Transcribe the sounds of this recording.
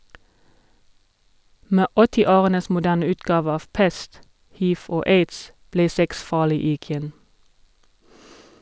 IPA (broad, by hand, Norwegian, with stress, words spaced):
ˈmeː ˈɔtɪˌoːʁənəs mʊˈdæːn ˈʉːtɡɑːʋ ˈɑːʋ ˈpɛst ˈhiːʋ ˈoː ˈeɪds ˈbleː ˈsɛks ˈfɑːlɪ ɪˈɡjɛn